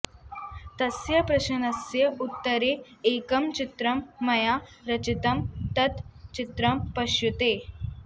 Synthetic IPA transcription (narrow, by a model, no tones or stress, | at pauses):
t̪ɐsjɐpɾɐɕɐnɐsjɐut̪ːəɾeːkɐmt͡ɕit̪ɾɐmːɐjaɾɐt͡ʃit̪ɐmt̪ɐt̪t͡ʃit̪ɾɐmpɐɕjut̪eː